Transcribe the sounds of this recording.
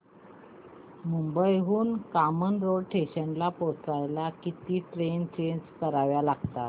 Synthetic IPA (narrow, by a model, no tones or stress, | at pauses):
mumbəjɦuːnkamənɾoɽʈʰeɕəɳlapost͡sɾajlakit̪iːʈɾent͡ɕenskəɾaʋjalaɡt̪a